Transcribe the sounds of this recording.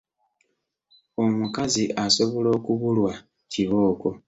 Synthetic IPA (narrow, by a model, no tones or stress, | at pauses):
o̞mukaziʔaso̞βo̞lo̞ːkuβulwa | ciβo̞ːko̞